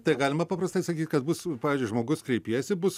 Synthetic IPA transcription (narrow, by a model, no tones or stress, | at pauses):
t̪ɐɪɡɑːlʲɪmɐpɐpɾɐst̪ɐɪsɐkʲiːt̪ʲkɐt̪̚bʊspɑːʋʲizʲd͡ʒʲʊɪʒmoːɡʊskɾʲɛɪpʲiɛjsʲɪbʊs